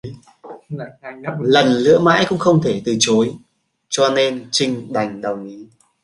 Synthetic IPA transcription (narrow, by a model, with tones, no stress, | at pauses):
lə˨˩nlɨ̰˧˥əma̰ː˧˥jkʊ̰˧˥ŋ͡mxə˧wŋ͡mt̪ʰe˧˩t̪ɨ˨˩t͡ɕo˨˦j | t͡ɕɔ˧ne˧nt͡ɕï˧ŋ̟ɗa˨˩jŋ̟ɗə˨˩wŋi˨˦